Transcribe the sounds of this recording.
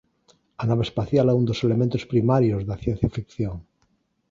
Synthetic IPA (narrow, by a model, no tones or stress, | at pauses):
anaβespaθjalɛund̪oselemẽnt̪ospɾimaɾjozðaθjen̟θjafikθjoŋ